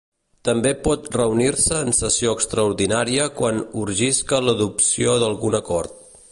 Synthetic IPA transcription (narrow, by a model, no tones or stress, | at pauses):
t̪əmbepɔt̪rəuniɾsəːnsəsioəkst̪ɾəuɾðinaɾiəkwanuɾʒiskələðupsioðəlˠɣunəkɔɾt̪̚